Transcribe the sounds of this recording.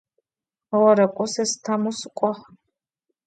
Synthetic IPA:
ɔɔɾɛkʷʼɔsɛst̪ʰamuskʷʼɔχ

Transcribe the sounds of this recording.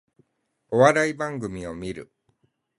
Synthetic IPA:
o̞βaɾaibãŋɡɯ̟mʲio̞mʲiɾɯ̟̰

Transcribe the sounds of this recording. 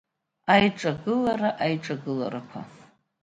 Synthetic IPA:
ajʈ͡ʂʼaɡɨlaɾaʔajʈ͡ʂʼaɡɨla̰ɾakʷʰa̰

